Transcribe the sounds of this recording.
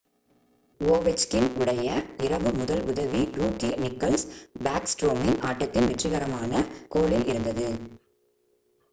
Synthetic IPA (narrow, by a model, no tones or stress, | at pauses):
oːʋɛt͡ʃkɪnʔʊɽɐjɐɪɾɐʋɯmʊðɐlʊðɐʋiɾuːkinɪkːɐlsbaːksʈɾoːmɪnaːʈːɐt̪ːɪnʋɛʈrɪɣɐɾɐmaːnɐkoːɭɪlʔɪɾɯnd̪ɐðɯ